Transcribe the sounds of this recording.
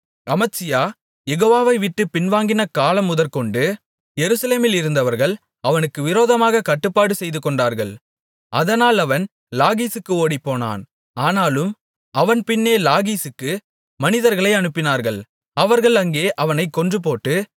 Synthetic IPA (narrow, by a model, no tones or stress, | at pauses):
ɐmɐt͡ʃɪjaː | jɛɣoːʋaːʋɐɪʋɪʈːɯpɪnʋaːŋɡɪnɐkaːlɐmːʊðɐɾkɔɳɖɯ | jɛɾɯsɐleːmɪlɪɾɯnd̪ɐʋɐɾɣɐɭ | ɐʋɐnɯkːɯʋɪɾoːðɐmaːɣɐkɐʈːɯpːaːɽɯsɛjðɯkːɔɳɖaːɾɣɐɭ | ɐðɐnaːlɐʋɐn | laːɣiːsɯkːɯoːɽipːoːna̰ːn | aːnaːlɯm | ɐʋɐnpɪnːeːlaːɣiːsɯkːɯ | mɐnɪðɐɾɣɐɭɐɪɐnɯpːɪnaːɾɣɐɭ | ɐʋɐɾɣɐɭɐŋɡeːʔɐʋɐnɐɪkːɔndrɯpoːʈːɯ